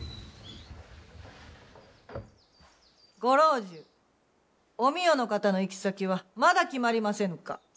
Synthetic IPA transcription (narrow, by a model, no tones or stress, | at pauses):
ɡo̞ɾo̞ːʑɨ | o̞mʲijo̞no̞kat̪ano̞ikʲi̥sakʲiβ̞amad̪akʲimaɾʲimasẽ̞ŋka̰